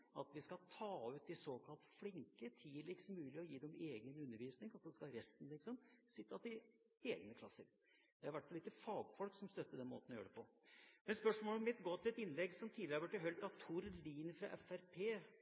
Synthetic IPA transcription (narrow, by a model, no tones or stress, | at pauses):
ɑt̪ʋɪskɑt̪ʰɑːʉːt̪̚d̪ɪsoːkʰɑlt̪flɪŋkət̪ʰiːlɪksmʉːlɪɔjiːd̪ɛɔmeːɡənʉnːəɾʋiːsnɪŋɑlsɔd̪ɛskɑɾɛst̪n̩lɪkːəsɔmsɪt̪ːɑt̪ɪ | eːɡnəkʰlɑsːəɾ | d̪̥ɛæɾʋæʈfɑlɪk̪ːəfɑːɡfɔlksɔmst̪œt̪ːəd̪ɛnmo̰ːt̪n̩ɔjø̰ːɾəpʰɔmɛnspœʂmoːlɔmɪt̪ɡoːt̪ʰɪlɛt̪ɪnːlɛɡːsɔmt̪ʰiːd̪ɪɾʋʈːɪɦœlt̪ɑt̪ʰʊɾliːnfɾɑ̰ʔɛfæɾpʰeː